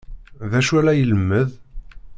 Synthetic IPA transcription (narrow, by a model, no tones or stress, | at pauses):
ðæʃuælæjələmːəð